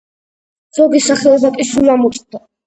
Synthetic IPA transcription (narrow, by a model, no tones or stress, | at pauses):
z̥ɔɡisaχɛɔbakʼiʃulamɔt͡ʃʼd̪a